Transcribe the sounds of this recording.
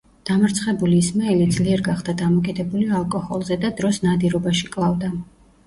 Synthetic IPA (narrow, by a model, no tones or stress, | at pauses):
d̪̥amɾt̪sʰχɛbulismaɛlid̪zliɛɾɡaχd̪̥ad̪amɔkʼid̪ɛbulialˠkʼɔhɔlˠzɛd̪ad̪ɾɔsnad̪iɾɔbaʃikʼlˠavd̪a